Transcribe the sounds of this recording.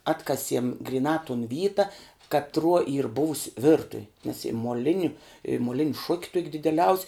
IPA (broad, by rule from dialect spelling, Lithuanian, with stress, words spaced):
ˈɑːtkɐsʲiɛm ɡrʲɪˈnɑː tʊn ˈʋʲiːtɐ kɐtˈruɔ iːr ˈbʊʋʊsʲ ˈʋʲɪrtʊw nʲɛs ɪ moːˈlʲɪnʲʊ ɪ moːˈlʲɪnʲ ʃʊkʲ tuɔkʲ dʲɪdʲɛˈlʲɛʊsʲ